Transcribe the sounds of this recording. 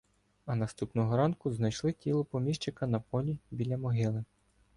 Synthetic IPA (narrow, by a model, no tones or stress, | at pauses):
ɐnɐst̪upnɔɦɔɾɑnkʊznɐjʃlˠɪtʲilˠɔpɔmʲiʃt͡ʃɪkɐnɐpɔlʲibʲilʲɐmɔɦɪlˠɪ